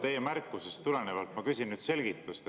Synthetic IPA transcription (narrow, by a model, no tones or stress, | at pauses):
t̪e̞jemærkːˑuse̞st̪ːule̞nevɑlt̪mɑkysʲinnyːd̪̥se̞lɡ̥it̪ːˑust̪